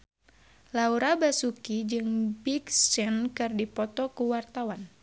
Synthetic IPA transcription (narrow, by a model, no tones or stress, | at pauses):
lauɾabasukid͡ʒɨŋbikst͡ʃɛnkɨrdipɔt̪ɔkuwart̪awan